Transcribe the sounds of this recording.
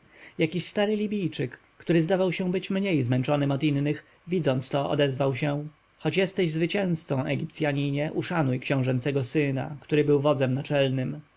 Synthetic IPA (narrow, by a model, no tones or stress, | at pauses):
jakʲiɕst̪aɾɘlʲibʲijt͡ʂɘkːt̪uɾɘzd̪avawɕɛ̃bɘt͡ɕmɲejzmɛnt͡ʂɔnɘmɔd̪inːɘx | vʲid̪zɔnt̪st̪ɔʔɔ̰d̪ɛzvawɕɛ | xɔt͡ɕjɛst̪ɛʑzvɘt͡ɕɛ̃w̃st̪sɔ̃w̃ʔɛɡʲip̚t̪sʲjaɲiɲɛʔuʂanujkɕɛ̃w̃ʐɛnt̪sɛɡɔsɘna̰kt̪uɾɘbɘwvɔd̪zɛmnat͡ʂɛlnɘm